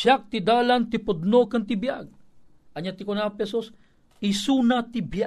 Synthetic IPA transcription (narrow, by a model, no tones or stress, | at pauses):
ʃak̚t̪id̪alant̪ipod̪nokant̪ibjaɡ̚ | aɲat̪ikonapesos | isunat̪iba